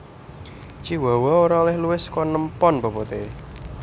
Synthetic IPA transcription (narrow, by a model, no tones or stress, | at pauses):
t͡ʃiwawɔoɾaolɛhluɪskɔnəmpɔnbɔpot̪e